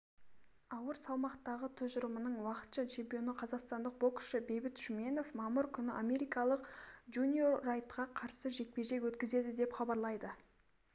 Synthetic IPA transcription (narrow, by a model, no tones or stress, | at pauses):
ɑwəɾsɑlˠmɑqt̪ɑʁət̪ʰʏzʒʊɾəmənəɴwɑqə̥t̪ʃɑt͡ʃʰe̞mpʲijo̞nəqʰɑzɑqst̪ɑnd̪əq̚bo̞kʏ̥ʃɪbe̞jbɪt̪ʃʏme̞no̞fmɑməɾkʲʰʏnɪʔamʲe̞ɾijkɑlˠəqʒunʲioːɑjt̪qɑqʰɑɾsəʒe̞k̚peʒe̞kwɵt̪kʲɪze̞d̪ɪd̪e̞pχɑbɑɾlˠɑjd̪ə